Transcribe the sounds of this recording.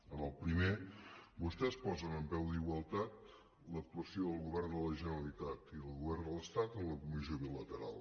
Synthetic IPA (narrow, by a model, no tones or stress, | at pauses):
əməlˠpɾimebust̪ɛspɔzənəmpɛwd̪iɣwəlˠt̪at̪̚ | lək̚t̪uəsioðəlˠɣuβɛrnd̪ələʒənəɾəlit̪at̪iðəlˠɣuβɛrnd̪ələst̪at̪əmləkumizjoβilət̪əɾalˠ